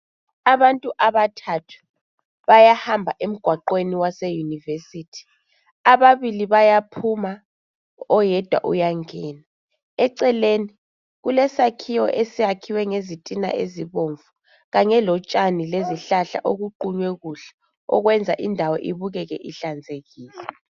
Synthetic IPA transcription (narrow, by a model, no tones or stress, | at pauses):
aβantʼuʔaβatʰatʰu̥ | βajahambʱaʔem̩ɡ̥ʱwaǃweniwasɛjunivesiːtʰi̥ | aβaβiliβajapʰuma | ɔjɛd̥ʱwa̰ʔṵjaŋɛːna | ɛǀɛleni | ɣulɛsakʰiwɔ̰ʔesiakʰiwɛŋezitʼina̰ʔeziβoɱvu | ɣaŋɛlɔt͡ʃʼanileziɬaɬa̰ʔoɣuǃuɲwɛɣuɬɛ̥ | ɔ̰ɣwɛnd͡zʱaʔindʱawɔʔiβuɣɛɣɛ̰ʔiɬand͡zʱeɣiːlɛ